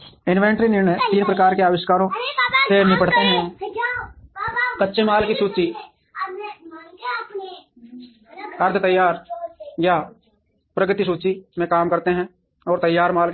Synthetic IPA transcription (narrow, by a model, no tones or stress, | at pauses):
ɪnʋẽːɳʈɾinɪɾnəjt̪iːnpɾəkaːɾkeaːʋɪʃkaːɾõsenɪ̃pəɽt̪eɦɛ̃ː | kɐtːʃemaːlkisuːt͡ʃi | ɐɾd̪ʱət̪əjːaːɾja | pɾəɡt̪isuːt͡ʃimẽkaːmkɐɾt̪eɦɛ̃ | ɔːɾt̪ɐjːaːɾmaːl